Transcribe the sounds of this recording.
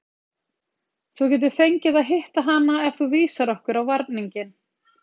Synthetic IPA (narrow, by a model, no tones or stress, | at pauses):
θuwcɛːt̪̬ʏɾ̥fejɲcɪðaðɦɪht̪aɦanaɛvθuviːsaɾɔhkʏɾawvaɾt̪niɲcɪn